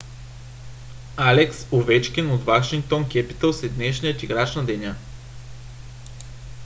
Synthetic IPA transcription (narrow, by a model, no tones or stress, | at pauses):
alɛksovɛt͡ʃkʲɛnot̪vaʃiŋk̚t̪onkʲɛpi̥t̪əlˠsɛd̪nɛʃnijət̪iɡɾat͡ʃnɐd̪ɛnʲa